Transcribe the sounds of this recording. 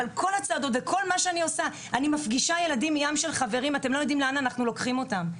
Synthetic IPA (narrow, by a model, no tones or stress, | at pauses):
alkʰo̞lat͡saːdo̞tvekʰo̞lmaʃeanio̞sa | animafɡiʃaje̞ladimijamʃe̞lχave̞ʁimatemlojod̪imleanaːnaχnulo̞kχimo̞tam